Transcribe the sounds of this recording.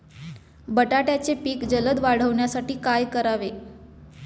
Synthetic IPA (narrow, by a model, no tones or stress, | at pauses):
bəʈaʈjat͡sepiːkd͡zələd̪ʋaɽ̤əʋɳjasaʈiːkajkəɾaʋe